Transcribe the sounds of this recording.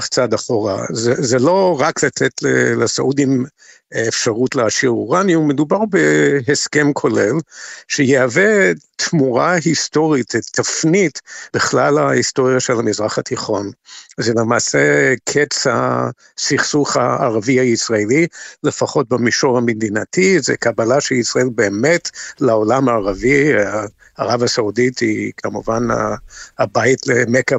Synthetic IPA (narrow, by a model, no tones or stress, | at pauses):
χt͡sad̪aχoʁa̰zezelo̞ʁaklatetlelesaʔudimː | fʃaʁutleaʃiʁuʁanjiumedubaʁbeɦeskemkʰo̞lelʃejeavet̪muʁahisto̞ʁitetʰːafnitb̥iχlalahisto̞ʁjaʃelhamizʁaχatiχo̞nzelemaːsekʰet͡sa | siχsuχa̰ːʁaviaisʁaelilefaχo̞t̚bemiʃoʁamedinatʰizekabalaʃeisʁaelbeːmetlao̞lamaːʁaviaː | ʁavasauditikʰamuvana̰abajtlemeka